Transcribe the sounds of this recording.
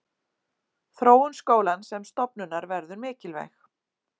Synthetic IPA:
θɾoːwʏnskoːwlansɛmst̪ɔpnʏnːaɾvɛɾðʏɾmɪːcɪlvḛjx

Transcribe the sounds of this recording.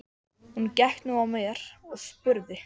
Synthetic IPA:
huncɛht̪nuawmjɛɾ̥ɔɣspʏɾðɪ

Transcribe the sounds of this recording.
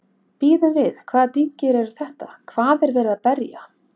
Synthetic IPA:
piːðʏmvɪðkʰvaːðt̪iɲ̥cɪɾɛɾɾ̥θɛht̪akʰvaːðɛɾvɛːɾɪðapɛɾja̰

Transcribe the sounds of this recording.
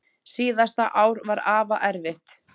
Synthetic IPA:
siːðast̪aʔaːwɾvaɾaːvaʔɛɾvɪht̪

